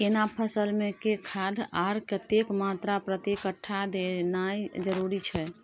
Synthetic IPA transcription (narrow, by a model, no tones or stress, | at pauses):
kenapʰəsəlmẽkekʰad̪ʱaɾkət̪ekmat̪ɾapɾət̪ikəʈʰːad̪enajd͡ʒəɾuɾit͡ʃʰɛ